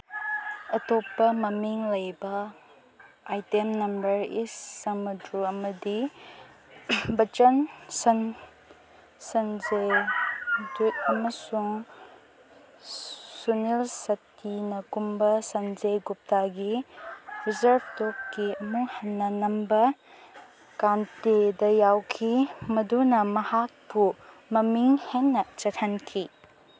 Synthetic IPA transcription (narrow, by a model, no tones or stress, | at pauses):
ɐtɔpːɐmɐmiŋlɐjbɐ | ajtemnɐmbɐɾisːɐmɐdɾuɐmɐdi | bɐt͡ʃɐnsɐn | sɐnzej | dut̚ɐmɐsuŋ | sunilsɐtʰinɐkumbɐsɐnzejɡup̚taɡi | ɾizɐɾbtop̚kiɐmuhɐnːɐnɐmbɐ | kantedɐjawkʰimɐdunɐmɐhak̚pu | mɐmiŋhenːɐt͡ʃɐtʰɐnkʰi